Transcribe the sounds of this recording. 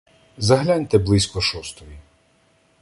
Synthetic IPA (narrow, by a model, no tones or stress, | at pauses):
zɐɦlʲanʲt̪ɛblˠɪsʲkɔʃɔst̪ɔji